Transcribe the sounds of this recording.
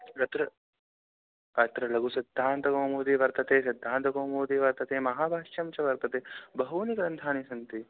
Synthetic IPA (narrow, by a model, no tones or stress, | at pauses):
ɾɐt̪ɾɐ | ɐt̪ɾɐlɐɡusɐd̪ʱːaːnt̪ɐɡoːmoːd̪iʋɐɾt̪ɐt̪eːsɐd̪ʱːaːnt̪ɐɡoːmoːd̪iʋɐɾt̪ɐt̪eːmɐɦaːbʱaːʃjɐmt͡ʃɐʋɐɾt̪ɐt̪eːbɐɦuniɡɾɐnt̪ʰaːnisɐnt̪i